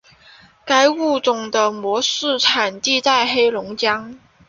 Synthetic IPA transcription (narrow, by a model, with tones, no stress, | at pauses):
ka˥ɪu˥˩t͡sʊ˨˩ŋd̪ə˧˩mwɔ˧˥ʂɻ̩˥˩ʈ͡ʂʰa˨˩nt̪i˥˧t̪a˥˩ɪxe˥ɪlʊ˧˥ŋt͡ɕjɑ˥ŋ